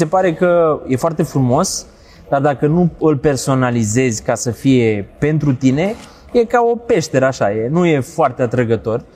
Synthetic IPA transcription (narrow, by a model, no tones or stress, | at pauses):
se̞paɾe̞kəje̞foart̪e̞fɾumo̞s | d̪̥ard̪akənuɨlpe̞rso̞nalize̞zʲkasəfije̞pe̞nt̪ɾut̪ine̞ | je̞kao̞pe̞ʃt̪e̞ɾəaʃaje̞nuje̞foart̪eat̪ɾəɡət̪o̞r